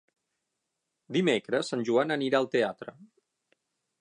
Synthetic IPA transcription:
d̪imekɾəsːanʲʒuanəniɾaəlˠt̪eat̪ɾə̰

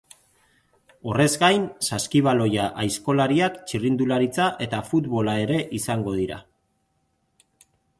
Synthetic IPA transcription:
o̞re̞zɡajnsaskiβ̞alo̞jaʔajsko̞laɾiakt͡ʃirind̪ulaɾit͡saʔe̞t̪afut̪βo̞lae̞ɾe̞ʔisaŋɡo̞ð̞iɾa̰

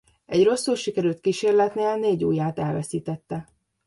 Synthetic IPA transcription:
ɛɟro̞sːulʃikɛɾylt̪̚kiʃeːrlɛt̪neːlneːɟuːjaːt̪ɛlvɛsiːt̪ɛt̪ːɛ

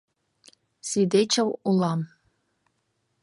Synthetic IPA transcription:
sʲid̪et͡ɕɤ̆wulˠɑm

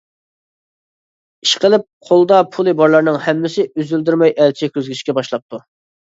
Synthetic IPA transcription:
i̥ʃqəlˠɪp̚qʰolˠd̪ɑpʰulˠɨbɑɾlˠɑɾnɨŋhɛmːɪsɪyzyld̪yɾmɑjʔɛlt͡ʃʰɪkʲʰøzɡʲyʃkʲɛbɑʃlˠɑp̚t̪ʰu

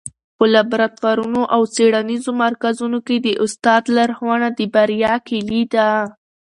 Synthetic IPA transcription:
pəlabɾat̪waɾunoʔawt͡seɽanizomaɾkazunoked̪əʔʊst̪ɑd̪laɾxwɑɳad̪əbaɾjɑkelid̪a

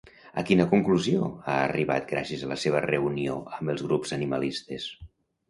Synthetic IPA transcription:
əkinəkuŋkluzioaəriβa̰t̪̚ɡɾasiəzələseβərəunio̰əmbəlˠzɣ̞ɾupz̥əniməlist̪es

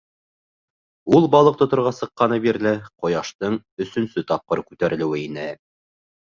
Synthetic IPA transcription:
ulˠbɑlˠɤq̚t̪ŏt̪ŏɾʁɑsɤ̆qːɑnɤbiɾlɘqŏjɑʃt̪ɤɴ | ɵ̆sɵ̆nsɵt̪ɑp̚qɤɾkʉt̪æɾɘ̆lɘ̆wɘinɘ

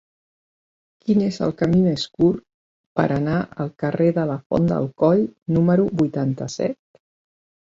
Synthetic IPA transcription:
kinezə̰lˠkəmimeskur | pə̰ɾʔənaʔə̰lˠkəreðələfɔ̰nd̪ə̰lˠkɔʎnuməɾubujt̪ant̪əsɛ̰t̪̚

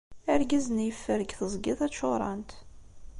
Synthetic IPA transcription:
æɾɡæzənjəfːəɾəɡθəzˤɡɪðˤæt͡ʃːoɾˤɑ̰nt̪

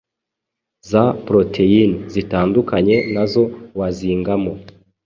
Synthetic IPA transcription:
zapɾotʰeinzitaːndukaɲe̞nazo̞waziːŋɡamo

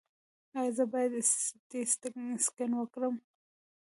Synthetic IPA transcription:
azəbɑjad̪d̪est̪əkskɪnwəkɽəm

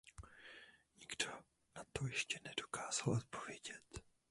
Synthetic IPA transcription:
ɲiɡdo | nat̪ojɛʃcɛnɛd̥o̞kaːz̥alʔot̪̚po̞vjɛɟɛt̪

